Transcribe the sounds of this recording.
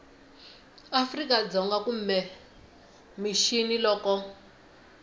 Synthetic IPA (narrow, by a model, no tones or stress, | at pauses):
afrikad͡zɔŋɡakum̩mɛ | miʃinilɔːkɔ